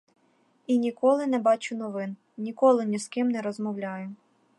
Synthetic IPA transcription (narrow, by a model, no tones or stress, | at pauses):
inʲikɔlˠɪnɛbɑt͡ʃʊnɔʋɪn | nʲikɔlˠɪnʲiskɪmnɛɾɔzmɔwlʲɑjʊ